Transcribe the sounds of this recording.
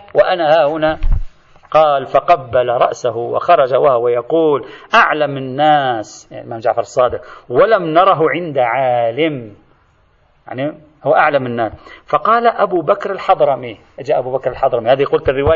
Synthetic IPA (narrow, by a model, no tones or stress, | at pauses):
wɪʔanahaːhʊna | qɑːlfɑqɑbːalaɾˤɑ̰ʔsaɦʊwɪ̰xɑɾˤɑd͡ʒawahwajɑquːlʔaʕlamɪnːaːsja̰ʕlmaːmd͡ʒaʕfɑɾˤɨsˤːɑːd̪ɪqwalamnɑɾˤɑɦʊʕɪnd̪aʕaːlɪm | ja̰ʕni | hʊwʔaʕlamɪnːaːsfɑqɑːlaʔabubakɾɪlħɑd̪ˤɾˤɑmiʔɪd͡ʒaʔabubakɾɪlħɑd̪ˤɾˤɑmihaːðiqʊlt̪ɪrːɪwaː